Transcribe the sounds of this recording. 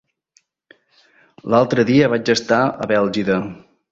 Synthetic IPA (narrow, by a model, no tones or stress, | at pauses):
lalˠt̪ɾəðiəβad͡ʒəst̪aə̰βɛlˠʒiðə